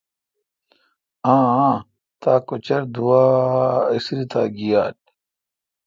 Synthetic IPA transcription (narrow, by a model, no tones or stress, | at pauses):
ãː | t̪aːkot͡ɕɐɾd̪uaːisɾit̪aːɡijaːt̚